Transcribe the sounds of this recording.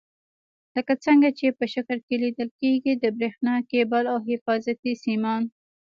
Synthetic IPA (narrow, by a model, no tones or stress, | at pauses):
ləkat͡səŋɡat͡ʃepəʃakəɾkelid̪əlkeɡid̪əbɾexnɑkebalawɦɪfɑzat̪isimɑn